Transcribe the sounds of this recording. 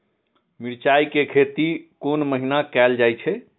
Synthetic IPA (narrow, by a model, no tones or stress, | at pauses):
miɾt͡ʃajkekʰet̪ikonməɦinakɛld͡ʒajt͡ʃʰɛ